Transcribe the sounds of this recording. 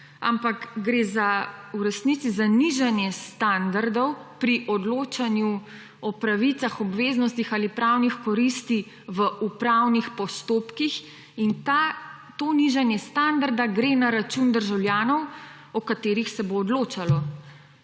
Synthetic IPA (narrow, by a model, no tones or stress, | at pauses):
a̰mpakɡɾeːzauɾɛsnit̪sizaniʒanjɛst̪and̪aɾd̪ɔwpɾiʔɔd̪loːt͡ʃanju | ɔpɾaʋit̪saxɔbʋeːznɔst̪ixaːlipɾawnixkɔɾist̪i | ʋəʔupɾawnixpɔst̪oːpkix | int̪a | t̪oːniʒanjɛst̪and̪aɾd̪aɡɾenaɾat͡ʃund̪əɾʒawljaːnɔw | ɔkat̪eːɾixsɛboːd̪loːt͡ʃalɔ